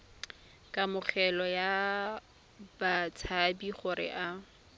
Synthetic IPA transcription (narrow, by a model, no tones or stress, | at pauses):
kʼamʊχʰɛlɔja | bat͡sʰabiχʊɾɪ̰ʔa